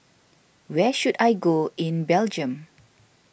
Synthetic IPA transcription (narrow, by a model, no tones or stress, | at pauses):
wɛʃudajɡoĩnbɛld͡ʒə̃m